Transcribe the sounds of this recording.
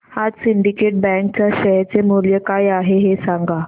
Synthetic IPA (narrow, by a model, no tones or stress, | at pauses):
had͡zsiɳɖikeʈ̚bɛ̃ŋkt͡ɕaɕəɦɛɾt͡semoljəkajaɦeɦesaŋɡa